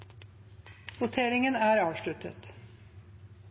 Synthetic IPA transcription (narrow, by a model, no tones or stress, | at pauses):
ʋʊt̪ʰeːɾɪŋənæːɾɑːʋʂɭʉt̪ʰə̰t̪